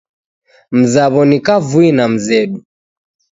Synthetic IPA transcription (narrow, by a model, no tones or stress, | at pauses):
m̩zaβɔnikavuinam̩zɛɗu